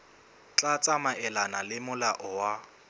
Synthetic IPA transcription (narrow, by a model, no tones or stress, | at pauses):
t͡ɬʼat͡sʼamaʔɛlanalɪmʊlaʔɔwa